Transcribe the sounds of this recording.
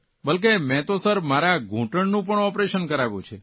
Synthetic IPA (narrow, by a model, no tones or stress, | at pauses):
bəlk̬emɛ̃t̪osəɾmaɾaɡʱũʈəɳnũp̬əɳɔpɾeʃənkəɾaʋjṵ̃t͡ʃʰe